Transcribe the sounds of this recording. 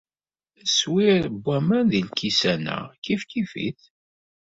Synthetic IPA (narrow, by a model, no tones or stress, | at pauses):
swiɾbʷːæmænðilkːisænæ̰kifkifḭθ